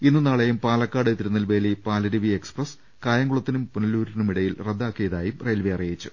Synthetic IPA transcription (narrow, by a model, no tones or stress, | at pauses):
inːɨnaːɭɐjumpaːlɐkːaːɽɨt̪ːiɾunːɐlʋeːlipaːlɐɾiʋieksprɐs | kaːjɐŋɡuɭɐt̪ːinumpunɐluːɾinumiɽɐjilred̪ːaːkːijɐðaːjumrɐjlʋijɐrijit͡ɕːu̥